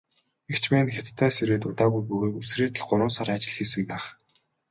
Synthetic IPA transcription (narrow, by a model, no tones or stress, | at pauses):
ekt͡ɕʰpæːnxʲat̪t̪ʰːæːseɾeːt̪ʊt̪aːɣujpuɣeːkusreːt̪ɘ̆ɮɢʊɾʊ̆ːnsaɾat͡ɕɪ̆ɮxiːsɘ̆mpæːχ